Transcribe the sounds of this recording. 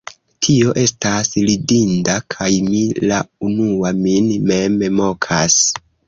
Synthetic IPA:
tʰio̞ʔe̞staslidindakʰajmila̰unuaminmememo̞kʰas

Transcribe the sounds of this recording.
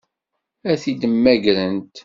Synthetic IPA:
æθid̪əmːæɡɾənt̪

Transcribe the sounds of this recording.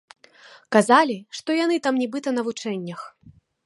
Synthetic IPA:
kazalʲiʂt̪ɔjanɨt̪amnʲibɨt̪ɐnɐvut͡ʂɛnʲːɐx

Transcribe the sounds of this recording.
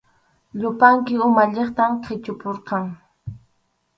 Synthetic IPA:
ʎʊpaŋkɪʊmaʎeχt̪amqʰɪt͡ʃʊpoɾqɑŋ

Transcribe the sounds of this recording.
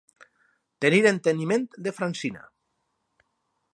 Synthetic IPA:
t̪eniɾent̪eniment̪d̪efɾansina̰

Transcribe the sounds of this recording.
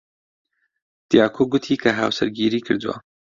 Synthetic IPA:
t̪ijaːkʰoɡʊt̪ʰiːkʰaɦaːwsɐɾɡiːɾiːkʰɨɾd̪wa̰ː

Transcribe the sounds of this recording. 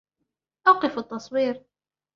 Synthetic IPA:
ʔɑqɨfat̪ːɑsˤwiːɾ

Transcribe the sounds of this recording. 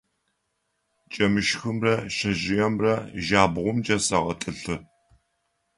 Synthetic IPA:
t͡ʃʼɐmɨʃxɨmrɐɕɐʑɪjɐmrɐʒaːbʁʷʊmd͡ʒɐsɐʁɐtʼɨɬɨ

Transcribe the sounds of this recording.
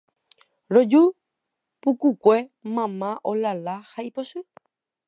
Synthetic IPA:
ɾod͡ʒu | pukukʷe̞mãmãʔolalahaiposɨ

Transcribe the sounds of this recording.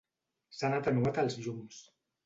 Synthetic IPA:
sanat̪ənuat̪əlˠzʎums

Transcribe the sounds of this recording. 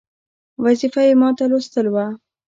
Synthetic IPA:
wazifajemɑt̪alost̪əlwa

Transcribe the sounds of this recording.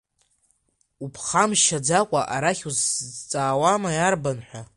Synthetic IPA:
upʰχamʃad͡zakʷʼaʔaɾaχʲuzt͡sʼaːwamajarbanħʷᶣa

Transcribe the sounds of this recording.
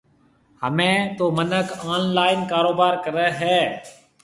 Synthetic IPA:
hə̰mẽːt̪oːmənəkʰaːnlaːɪnkaːɾoːbaːɾkəɾəɦɛː

